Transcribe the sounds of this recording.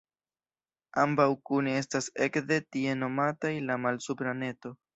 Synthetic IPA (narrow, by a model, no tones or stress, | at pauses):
ambawkunie̞stase̞kde̞tie̞no̞matajlamalsupɾane̞to̞